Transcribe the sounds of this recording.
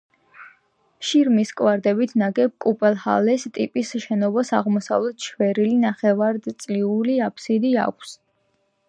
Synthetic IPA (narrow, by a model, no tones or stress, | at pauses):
ʃiɾmiskʼwaɾd̪ɛbit̪ʰnaɡɛb̚kʼupʼɛlˠha̰lɛst̪ʼipʼisʃɛnɔbasaʁmɔsa̰vlɛt̪ʰʃʰwɛɾilinaχɛvaɾd̪t̪sʼliuliapʰsid̪ia̰kʷʰs